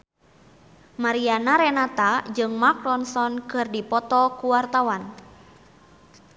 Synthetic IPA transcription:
maɾianaɾɛnat̪ad͡ʒɨŋmakɾɔnsɔnkɨrdipɔt̪ɔkuwart̪awan

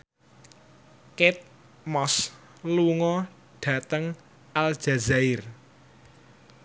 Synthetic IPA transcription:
kɪt̪̚ | mɔs | luŋɔ | ɖ̥ä̤t̪əŋ | ʔal̥d͡ʒ̥a̤zaɪr

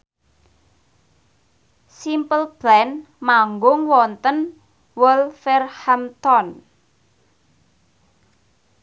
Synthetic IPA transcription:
simpəlb̥lɛn | maŋɡʊŋwɔnt̪ən | wəlfɛrhamt̪ɔn

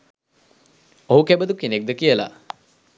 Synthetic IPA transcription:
oɦukebəd̪ukinek̚d̪əkijəla̰

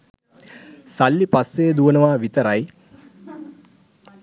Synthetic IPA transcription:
salːipasːeːd̪uʋənəʋaːʋit̪əɾaj

